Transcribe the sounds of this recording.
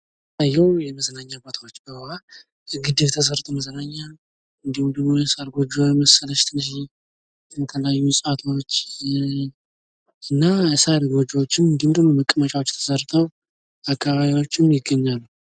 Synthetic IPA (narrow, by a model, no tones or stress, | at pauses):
ajːɛwjɛməzənaɲːabot̪ʰawot͡ʃːbəhla | ɡɨd̪ɨβt̪ʰəs̬əɾt̪ʰʼəwməzənaɲːal | ɨnd̪ihumd̪əɡmojɛsaɾɡo̞d͡ʒojməsələʃt̪ʰɨnʃi | ət̪ʰəljajːusʼat̪ʰo̞t͡ʃː | ʔɨnːasaɾɡo̞d͡ʒwot͡ʃːɪnɨnd̪ihumd̪əɡnoməkʼːəmət͡ʃʼawot͡ʃːt̪ʰə̥səɾt̪ʰʼəw | akʰːaβaβiwo̞t͡ʃːɪmjɪɡːəɲːalːu